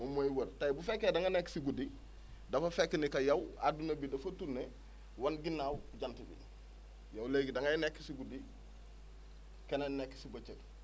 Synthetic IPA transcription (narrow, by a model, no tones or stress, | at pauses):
momojwoɾtajbufekːedaŋanekːsiɡudi | dɐfɐfekːinikɐjɐwa̰dunɐbidɐfɐtune | wanɡinːaːwuɟantibḭ | jawleːɡidaŋɡajnekːi̥siɡudi | kenenekːi̥sibot͡ʃet